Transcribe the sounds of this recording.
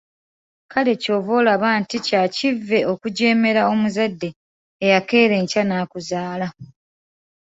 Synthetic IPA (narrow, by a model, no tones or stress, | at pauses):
kʰale̞co̞ːvo̞ːlaβaːnticacivːe̞ʔo̞kuɟe̞ːme̞ɾao̞muzadːe̞ː | jake̞ːɾe̞ɲcanaːkuzaːla